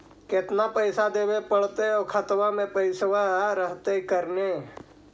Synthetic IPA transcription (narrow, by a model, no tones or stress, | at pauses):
kɪt̪napəɪsad̪eːbepəɽ̤t̪eokʰət̪ʋamẽpəɪswaɾəɦt̪ekəɾneː